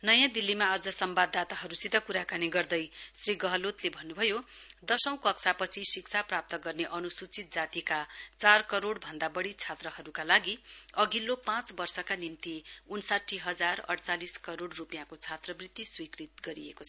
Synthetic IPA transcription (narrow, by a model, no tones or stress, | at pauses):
nʌjãd̪ilːimaʌd͡zʌsʌmbad̪at̪aɦʌɾusit̪akuɾakaniɡʌrd̪ʌjsriɡʌɦʌlot̪lebʱʌnːubʱʌjod̪ʌsʌ̃w̃kʌksʰapʌt͡sʰisikt͡sʰaprap̚t̪ʌɡʌrneʔʌnusut͡sit̪̚d͡zat̪ikat͡sarkʌɾoɽbʱʌnd̪abʌɽit͡sʰat̪rʌɦʌɾukalaɡiʌɡilːopãt͡sbʌrsʌkanimt̪iunsaʈʰːiɦʌd͡zarʌ̰ɽt͡saliskʌɾoɽrupjãkot͡sʰat̪rʌbrit̪ːiswikrit̪ɡʌɾiḛkot͡sʰʌ